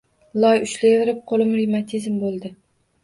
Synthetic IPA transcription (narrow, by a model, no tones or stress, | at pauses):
lˠɒjʊʃlɪɪɾɪp̚qʰolˠɪmɾimat̪ʰizmbolˠd̪ɪ